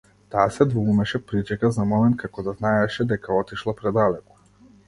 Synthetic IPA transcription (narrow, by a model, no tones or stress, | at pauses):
t̪aːsɛd̪vuumɛʃɛpɾit͡ʃɛkazamɔmɛnt̪̚kʰakɔd̪aznaɛʃɛd̪ɛkaɔt̪iʃlˠapɾɛd̪alɛkɔ̥